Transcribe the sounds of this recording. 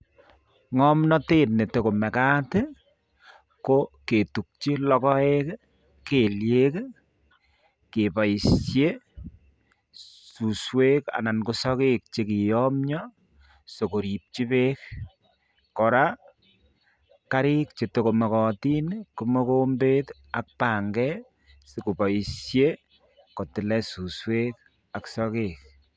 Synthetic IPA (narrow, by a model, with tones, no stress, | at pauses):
ŋɔmnɔ˦te˦tne˨to˨ko˨mɛ˨ka˦te | koke˨tu˨k̚t͡ʃi˦lɔ˦kɔ˦ek | ke˨lje˦k | ke˨pa˨jisje˦ | su˨swe˦ka̰˨na˨nko˦sɔ˦ke˦k̚t͡ʃe˨ki˨jɔmɲɔ | so˨ko˨ɾi˨p̚t͡ʃi˦pe˦k̚ː | ɔ˨ɾa˦ | ka˦ɾi˦k̚t͡ʃe˨to˦ko˨mɔ˨kɔ˨ti˦nko˨mɔ˦ko˦mbet | a˦k̚pa˨ŋɡɛ˦ | se˨ko˨pa˨sje˦ | kɔ˨tɪ˨lɛ˦su˨swe˦k̚ | a˨ksɔkek̚